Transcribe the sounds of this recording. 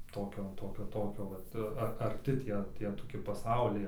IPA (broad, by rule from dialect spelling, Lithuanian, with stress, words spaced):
ˈtoːkʲoː ˈtoːkʲoː ˈtoːkʲoː ˈʋɐt ɐr ɐˈrʲtʲɪ ˈtʲiɛ ˈtʲiɛ toːˈkʲɪ pɐˈsɐʊlʲɛɪ